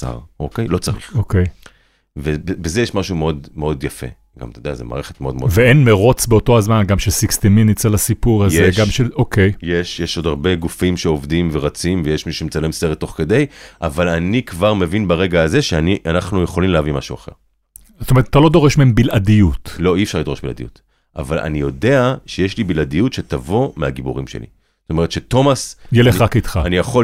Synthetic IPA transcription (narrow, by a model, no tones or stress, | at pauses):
sa̰ʁokejlo̞t͡saʁḭχokej | vebebezejeʃmaʃumeo̞d̪meo̞d̪jafḛ | ɡa̰mt̪ed̪eazema̰ːʁeχet̪meo̞d̪meveenmeʁo̞t͡sbeo̞to̞azmanɡamʃesikst̪iminit͡selasipuʁazeɡamʃeʔo̞ke̞jjeʃjeʃo̞d̪aʁbeɡufimʃeovd̪imveʁat͡simvejeʃmiʃʃemt͡salemseʁet̪ːo̞χke̞d̪e̞jʔavalanikvaʁmevinbaʁe̞ɡaːze̞ʃeaniʔanaχnujeχo̞limleavimaʃuaχe̞̰ʁ | z̥t̪omeetat̪alo̞d̪o̞ʁeʃmeembilʔadijutlo̞iefʃaʁlid̪oe̞ʃbila̰d̪ḭjut̪ | ʔa̰valʔa̰nijode̞aʃejeʃlibilad̪ijutʃe̞t̪avo̞meaɡibuʁimʃḛlḭ | z̥t̪ome̞ʁetʃe̞to̞masjeleχakit̪χaanijaχo